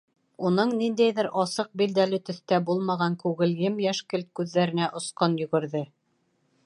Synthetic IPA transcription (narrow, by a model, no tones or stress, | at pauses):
unɤɴnind̪æjðɘɾʔɑsɤq̚bild̪ælɘt̪ɵ̆θt̪æbulˠmɑʁɑŋkʉɣɘ̆ljɘmjæʃkɘlt̪̚kʉðːæɾɘ̆næʔŏsqɤnjɵ̆ɡɘ̆ɾðɘ